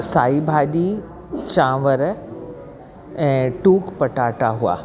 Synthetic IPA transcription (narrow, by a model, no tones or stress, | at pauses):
saːibʱaːɗi | t͡ɕãːʋəɾ | ɛ̃ːʈuːkpɐʈaːʈaɦua̰ː